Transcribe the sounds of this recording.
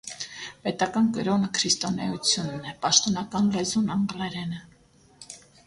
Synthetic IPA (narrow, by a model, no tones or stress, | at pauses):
pɛt̪ɑkɑnkəɾɔnəkʰɾist̪ɔnɛjut͡sʰjunːɛpɑʃt̪ɔnɑkɑnlɛzunɑŋɡlɛɾɛnə